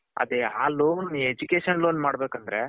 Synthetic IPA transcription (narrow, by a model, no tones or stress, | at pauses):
ɐ̰d̪eaːloːned͡ʒukeːʃɐnloːnmaːɽbeːkɐnd̪ɾe